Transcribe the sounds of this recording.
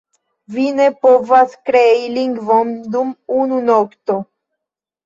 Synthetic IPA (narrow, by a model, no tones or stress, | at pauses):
vinepovaskɾeiliŋɡvomd̪umununokt̪o